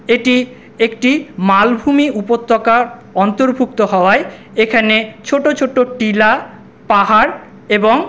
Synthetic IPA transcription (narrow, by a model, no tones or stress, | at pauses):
eʈi | ekʈimalbʱumiʔupot̪ːokaɾɔnt̪oɾbʱuk̚t̪oɦɔoae | ekʰanet͡ɕʰoʈot͡ɕʰoʈoʈila | paɦaɾ | eboŋ